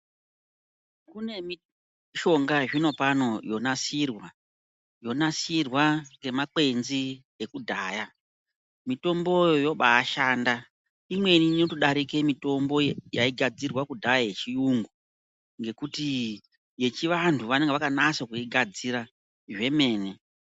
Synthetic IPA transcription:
kune̞mi | ʃo̞ŋɡaʐino̞pano̞jo̞nasirwa | jo̞nasirwaŋɡe̞make̞nzi | ekudʱaːja | mito̞mbo̞jjo̞ɓaːʃaːnda | imwe̞ninotiɗaɾike̞mito̞mbo̞jaiɡʱad͡zirwakudʱajaje̞t͡ʃiuŋɡu | ŋɡe̞kuti | je̞t͡ʃiʋantʰuʋane̞ŋɡeʋakanasokuiɡʱad͡ziɾa | ʐe̞me̞ːne̞

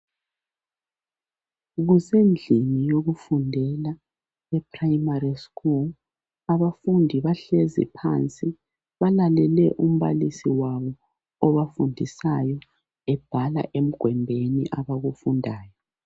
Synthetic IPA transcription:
ɣusend͡ɮʱimijoɣufundʱɛla | ɛpʰrajimariskul | aβafundʱiβaɬɛzɛ̰pʰant͡sʼi | βalalɛlɛʔum̩βa̰lisiwaβɔ | ɔβafundʱisajɔ | ɛb̥ʱala̰ʔem̩ɡ̥ʱwɛmbʱenḭʔaβaɣufundʱaːjɔ

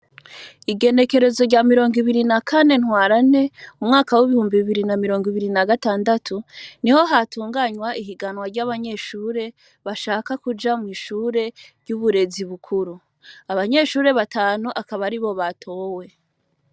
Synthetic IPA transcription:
iɡe̞ne̞ke̞ɾe̞zo̞ɾɟamiɾo̞ːŋɡiβiɾinakʰane̞nhwaːɾane̞umŋaːkawiβihuːmbiβiɾinamiɾo̞ːŋɡiβiɾinaɡataːndatʰuniho̞ɦatuːŋɡaɲwaʔiɦiɡanwaɾɟaβaɲe̞ʃuːɾe̞ | βaʃaːkakud͡ʒamŋiːʃuːɾe̞ɾɟuːβuɾe̞ziβukʰuɾu | aβaɲe̞ʃuːɾe̞βataːnuʔakaβaɾiβo̞βatʰo̞ːwe̞

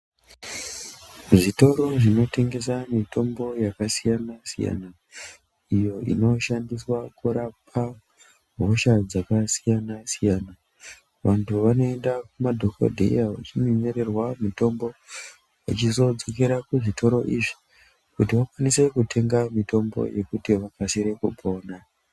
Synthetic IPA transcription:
ʐito̞ɾo̞ʐino̞te̞ŋɡe̞samitʰo̞mbo̞jakasijanasḭja̰na | ijo̞ḭno̞ʃandiswakuɾapʰa | ɦo̞ʃad͡zakasijanasijaːna | ʋantʰuʋano̞e̞ndakumadʱoko̰dʱḛjaʋa̰t͡ʃimiɲeɾe̞rwamito̞mbo̞ | ʋa̰t͡ʃizo̞d͡zok̬eɾakuʐitʰo̞ɾo̞ʔiʐi̥ | kutiʋakwanise̞kutʰe̞ŋɡamito̞mbo̞̰je̞kutiʋakasiɾe̞kupo̞ːna

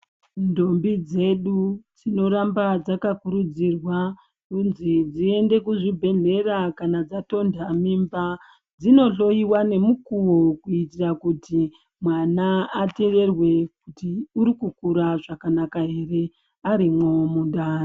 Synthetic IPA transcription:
ndo̞mbid͡ze̞ɗud͡zino̞ɾambad͡zakakuɾud͡zirwa | unzid͡zie̞nde̞kuʐibʱe̞ɮe̞rakanad͡zato̞ndʱamimba | d͡zino̞ɬo̞jiwane̞mukuwokuitirakuti | mwanaːte̞re̞rwe̞k̚utiuɾikukuɾaʐakanakaɦe̞re̞ | aɾimwomuɗaːn

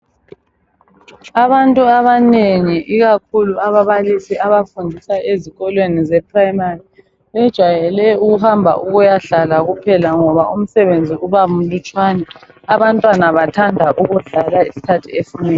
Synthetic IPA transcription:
aβantʼuaβaneŋiʔiɣakʰuluaβaβalisiʔaβafundʱisaʔeziɣɔlwenizɛpʰraimari | βɛd̥ʒ̥ʱwajɛlɛuɣuhambʱa̰ʔuɣujaɮalaɣupʰɛlaŋɔβaum̩sɛβend͡zʱiuβaum̩lut͡ʃʼwanɛ | aβantʼwanaβatʰandʱaʔuɣuɮalaisi̥kʰatʰiefinɛ

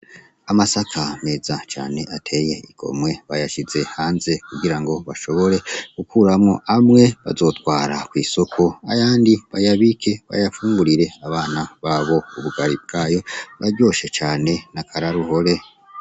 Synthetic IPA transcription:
amasakʰame̞ːzat͡ʃa̰ːne̞ʔatʰe̞je̞iɡ̥o̞̰mwe̞βajaʃize̞haːnze̞kuɡiɾaŋɡo̞βaʃo̞βo̞ɾe̞kukʰuːɾamŋo̞ʔamŋe̞βa̰zo̞ːtwaːɾakwiːso̞kʰo̞a̰jaːndiβajaβikʰe̞βa̰jafuːŋɡuɾiɾe̞aβaːnaβaβo̞uβuɡaɾib̚ɡ̥aːjo̞βaɾɟo̞ːʃe̞t͡ʃaːne̞nakʰaɾaɾuho̞ɾe̞

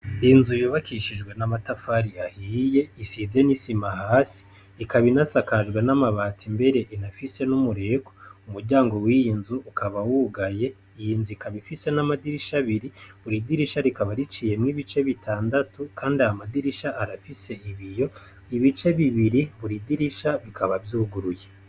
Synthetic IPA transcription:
inzujoβakiʃid͡ʒɡwe̞namatafaɾiahiːje̞isize̞nisimahaːsi̥ː | kaβinasakaʒɡwe̞namaβaːtʰimbe̞ɾe̞ʔinafise̞numuɾe̞koumuɾɟaːŋɡo̞wijinzuːkʰaβawuɡaje̞ | ijiːnzuikaβifise̞namadiɾiʃaβiɾiβuɾidiɾiʃaɾikaβaɾit͡ʃije̞mŋiβit͡ʃe̞βitʰaːndatukʰaːndiahamadiɾiʃaʔaɾafise̞iβijo̞ | iβit͡ʃe̞βiβiɾiβuɾidiɾiʃaβikʰaβavjuːɡuɾuje

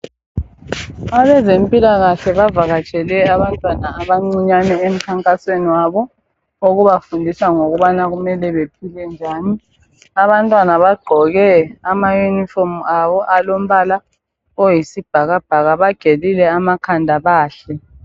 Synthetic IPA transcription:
aβɛzempʼilaɣaɬɛβavaɣat͡ʃʼɛlɛaβantʼwanaːβaŋ͡ǀiɲanɛem̩kʰaŋkʼasweniwaβɔ | oɣuβafundʱisaŋoɣuβanaɣumɛlɛβep̚ʰilɛnd͡ʒʱaːni | aβantʼwanaβaɡ͡ǃʱɔɣɛamajunifɔmaβɔʔalom̩βala | ojisib̥ʱaɣab̥ʱaɣaβaɡ̥ʱelilɛamakʰandʱaβaːɬɛ

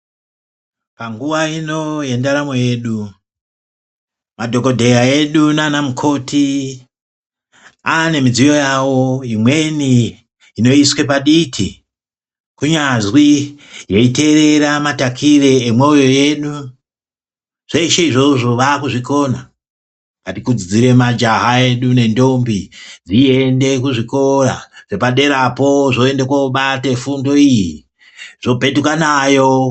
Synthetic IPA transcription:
paŋɡuʋaino̞je̞ndaɾamoje̞ːɗu | madʱo̞ko̞dʱe̞jae̞ɗunaːnamukʰo̞ti | ane̞mid͡zijo̞jawo̞imwe̞niː | no̞iswe̞paɗitʰi | kuɲazwijeite̞ɾe̞ɾamatakʰire̞ːmweojo̞je̞ɗu | ʐ̥e̞iʃeiʐo̞ʐo̞ʋakuʐiko̞na | ŋɡatikud͡zid͡ziɾe̞mad͡ʒaɦae̞ɗune̞ndo̞mbid͡zie̞nde̞kuʐiko̞raʐ̥e̞paɗe̞ɾapo̞ʐo̞e̞ndekwauɓate̞fundo̞iji | ʐ̥o̞be̞tukanajo

